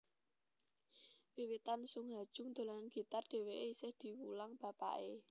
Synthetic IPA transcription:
wiwit̪ansʊŋɦad̥ʒ̥ʊ̤ŋd̪̥o̤lananɡ̥i̤t̪arɖ̥e̤weʔeisɪhd̪̥i̤wulaŋb̥a̤pa̰ʔe

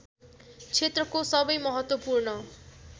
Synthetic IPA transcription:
t͡sʰet̪rʌkosʌbʌjmʌɦʌt̪wʌpurnʌ

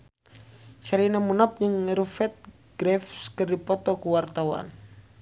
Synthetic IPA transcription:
saɾinamunap̚d͡ʒɨŋrufɛt̪̚ | ɡ̥ɾɛfskɨrdipɔt̪ɔkuwart̪awa̰n

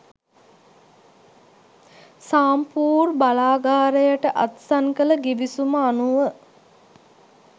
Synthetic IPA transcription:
saːmpuːrbalaːɡaːɾəjəʈəʔat̪saŋkələɡiʋisuməanuʋə

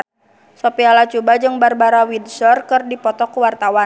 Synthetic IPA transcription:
sɔpialat͡ʃubad͡ʒɨŋbarbaɾawidsɔrkɨrdipɔt̪ɔkuwart̪awan

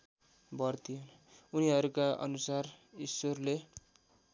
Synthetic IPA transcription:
bʌrt̪ʰijon | uniɦʌɾukaʔʌ̰nusarisorle

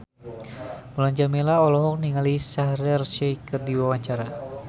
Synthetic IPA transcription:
mulaɲd͡ʒamilaɔlɔɦɔk̚niŋalisaɦɾɛrʃɛkərdiwawaɲt͡ʃaɾa

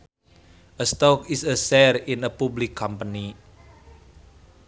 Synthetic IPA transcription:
əst̪ɔkɪsəsɛrɪnəpublɪkʰːampəni

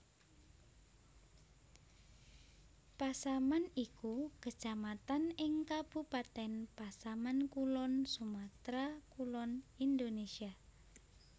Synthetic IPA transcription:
pasamanikukəd̥ʒ̥amat̪anɪŋkab̥upat̪ɛnpasamankulɔnsumat̪ɾakulɔnind̪onesia

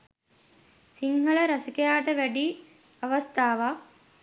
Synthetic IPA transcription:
siŋhəɭəɾasikejaːʈəʋæɖi | ɐʋɐst̪aːʋa

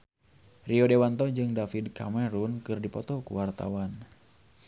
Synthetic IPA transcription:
riɔdewant̪ɔd͡ʒɨŋdafidkamɛɾunkɨrdipɔt̪ɔkṵwart̪a̰wan

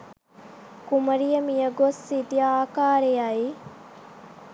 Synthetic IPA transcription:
kumɐɾijɐmijɐɡosːit̪iaːkaːɾejɐi

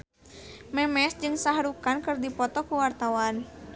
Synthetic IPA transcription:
mɛmɛsd͡ʒɨŋsaɦɾukankɨrdipɔt̪ɔkuwart̪awan

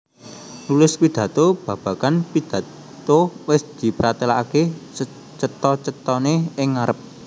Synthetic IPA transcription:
lulʊspid̪̥ä̤t̪ob̥ä̤b̥ä̤kanpid̪̥ä̤ | t̪owɪsd̪̥i̤pəɾat̪elaake | t͡ʃət̪ɔt͡ʃət̪ɔneɪŋːaɾəp̚

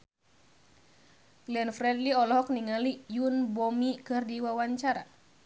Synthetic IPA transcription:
ɡ̥lɛnfɾɛdliɔlɔɦɔk̚niŋalijunbɔmikɨrdiwawaɲt͡ʃaɾa̰

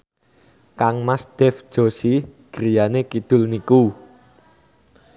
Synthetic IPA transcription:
kaŋmasd̪̥ɛ̤fʒ̥o̤siɡ̥ɾijanekid̪̥ʊ̤lniku

